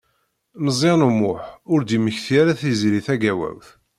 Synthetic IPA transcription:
nəzˤenumʊħʊɾd̪iməçθijaɾæθizɾiθæɡæwæ̰wθ

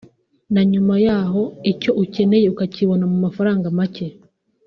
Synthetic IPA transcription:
naɲumajaːɦo̞ico̞ʔuce̞ne̞jeukaciβo̞namumafaɾaːŋɡamace̞

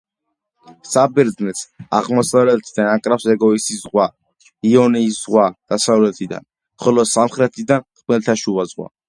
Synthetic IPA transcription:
sabɛɾd̪nɛt̪sa̰ʁmɔsavɾɛlt̪ʰid̪anakʼɾapsɛɡɔisisʁwa | iɔniːsz̥ʁwad̪̥asavlɛt̪ʰid̪a̰n | χɔlɔsamχɾɛt̪ʰid̪ant̪ʰmɛlt̪ʰaʃuvazʁwa̰

